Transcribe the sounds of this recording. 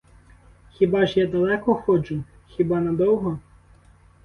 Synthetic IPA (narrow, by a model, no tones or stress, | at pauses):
xʲibɑʒjad̪ɐlˠɛkɔxɔt͡ʃʊ | xʲibɑnɐd̪ɔwɦɔ